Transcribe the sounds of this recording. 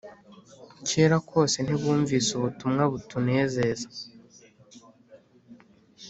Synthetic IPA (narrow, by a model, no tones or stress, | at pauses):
ce̞ːɾako̞ːse̞n̥iβuːɱviːsuβutumŋaβutune̞ːze̞zḁ